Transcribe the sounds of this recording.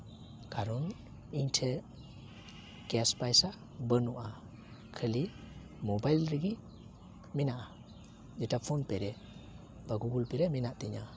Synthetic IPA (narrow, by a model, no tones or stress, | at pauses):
kaɾɔn | iɲtʰe | keaspajsa | bənuʔa | kʰəli | mɔbajlɾiɡi | minaʔa | d͡ʒɛtapʰonpeɾɛ | b̥aɡuɡulpeɾɛminaʔt̪eɲa